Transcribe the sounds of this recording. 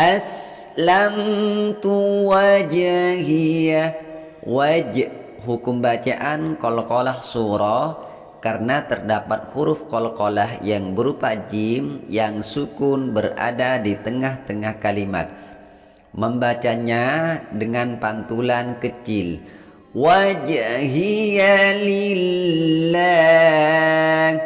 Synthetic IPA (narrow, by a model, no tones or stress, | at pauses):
ʔaslaŋt̪uwad͡ʒahia | wad͡ʒ | ɦukʊmbat͡ʃaʔankolɔkolahsuɾɔ | karənat̪ərdapat̪̚huɾʊfkolɔkolaɦjaŋbəɾupad͡ʒimjaŋsukʊnbəra̰dadit̪əŋaht̪əŋahkalima̰t̪̚ | məmbat͡ʃaɲadəŋanpant̪ulankət͡ʃɪl | wad͡ʒɦiali | la | ŋ